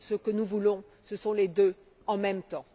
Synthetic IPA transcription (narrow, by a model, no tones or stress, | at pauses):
səkənuvulɔ̃ | səsɔ̃led̪ø | ɑ̃mɛmt̪ɑ̃